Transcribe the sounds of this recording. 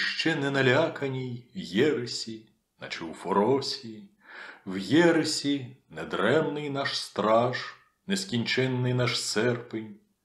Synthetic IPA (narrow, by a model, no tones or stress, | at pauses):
ʃt͡ʃɛnɛnɐlʲakɐnʲijwjɛɾɪsʲi | nɐt͡ʃɪwfɔɾɔsʲii | wjɛɾɪsʲinɛd̪ɾɛmnɪjnɑʃst̪ɾɑʒ | neskʲinʲt͡ʃɛnːɪjnɑʃsɛrpɪnʲ